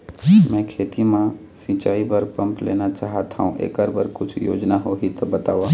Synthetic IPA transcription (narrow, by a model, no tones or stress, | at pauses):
mɛ̃ːkʰeːt̪imã | sĩːt͡ʃaːibəɾpɐ̃mpleːnat͡ʃaːɦat̪ʰaũʔḛːkəɾbəɾkʊt͡ʃʰjo̰ːd͡ʒnaɦoːɦit̪ɔbɐt̪aːʋaː